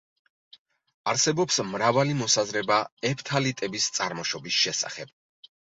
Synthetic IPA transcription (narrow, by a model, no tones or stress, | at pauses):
aɾsɛbɔpsmɾavalimɔsazɾɛbaɛpʰt̪ʰalit̪ʼɛbist̪sʼaɾmɔʃɔbisʃɛsa̰χɛb̚